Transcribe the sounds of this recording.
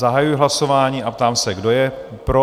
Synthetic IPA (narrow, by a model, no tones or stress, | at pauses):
aɦajujɪɦlaso̞vaːɲiːʔapt̪aːmsɛɡdo̞jɛ | pɾo